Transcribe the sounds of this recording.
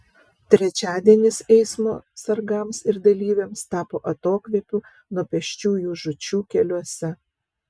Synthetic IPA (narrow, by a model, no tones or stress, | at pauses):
t̪ʲɾʲɛt͡ʃʲæːd̪ʲiɛnʲɪsɛɪsmo̰ːsɐɾɡɐmsɪɾd̪ɐlʲiːʋʲemst̪ɑːpoːʔɐt̪oːkʋʲiɛpʲuː | nuɔpʲɛʃʲt͡ʃʲuːjuːʒʊt͡ʃʲuːkʲɛlʲuɔsʲɛ